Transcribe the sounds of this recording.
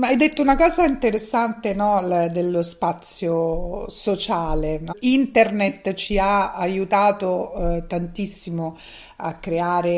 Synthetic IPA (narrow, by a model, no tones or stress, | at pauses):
ajd̪et̪ːounakɔːzaint̪eɾesːant̪enɔld̪elːospat̪sːjosot͡ʃaːlenint̪ernet̪t͡ʃiaajut̪aːt̪ot̪ant̪isːimo | a̰kːɾeaːɾe